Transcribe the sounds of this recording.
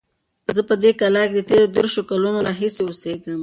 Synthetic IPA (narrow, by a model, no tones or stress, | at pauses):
zəpəd̪ekalɑked̪ət̪eɾod̪əɾʃokalunoɾɑɦiseoseɡəm